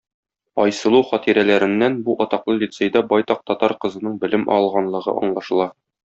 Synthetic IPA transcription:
ɒjsɤ̆lˠuχɒt̪iɾælæɾɘ̆nːænbuʔɒt̪ɑqlˠɤlʲit̪sejd̪æbɒjt̪ɑq̚t̪ɒt̪ɑɾqɤ̆zɤ̆nɤɴbɘ̆lɘmʔɒ̰lˠʁɑnlˠɤ̆ʁɤ̰ʔɒ̰ɴlˠɑʃɤ̆lˠɑ

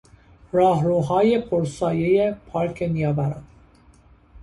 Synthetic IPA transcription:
ɾɒːɦɾuːɦɒːjepʰoɾsɒːjejepʰɒːɾkʰenijɒːbæɾɒn

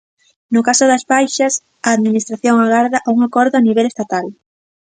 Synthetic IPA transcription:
nʊkasʊðɐsβajʃɐs | ɐːðminist̪ɾaθjoŋaɣaɾðɐʔauŋakɔɾðʊaniβ̞ɛlest̪at̪al

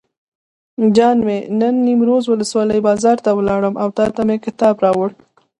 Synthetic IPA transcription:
d͡ʒɑnmenənːimɾozwʊləswɑləjbɑzɑɾt̪awəlɑɽəmʔawt̪ɑt̪amekɪt̪ɑbɾɑwəɽ

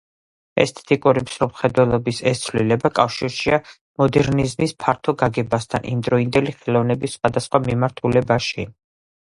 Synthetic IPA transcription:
ɛ̰st̪ʰɛ̥t̪ʼikʼuɾimsɾɔmχɛd̪wɛlˠɔbisɛst̪sʰlilɛbakʼafʃiɾʃia | mɔd̪ɛɾnizmispʰaɾt̪ʰɔɡaɡɛbast̪ʰa̰nʔḭmd̪ɾɔind̪ɛliχɛlˠɔvnɛbisχwad̪asχwamimaɾt̪ʰulɛbaʃi

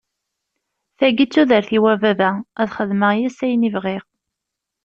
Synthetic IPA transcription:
θæɡit͡sːuðəɾθiwævævææðχəðməjæsæjnivʁiʁ

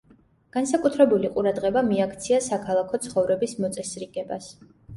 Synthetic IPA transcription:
ɡ̥ansakʼut̪ʰɾɛbuliqʼuɾad̪ʁɛbamiakʰt̪sʰiasakʰalˠakʰɔt̪sʰχɔvɾɛbismɔt̪sʼɛsɾiɡɛba̰s

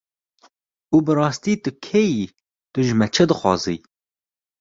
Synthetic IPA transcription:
uːbɨɾɑːst̪iːt̪ɨkʰeji | t̪ɨʒmɛt͡ʃʰɛd̪ɨxʷɑ̰ːzḭ

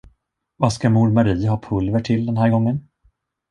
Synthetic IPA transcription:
vaskamuɾmaɾiːɦɑːpʰɵlvəʈʰɪld̪ɛnɦæːɾɡɔŋːən

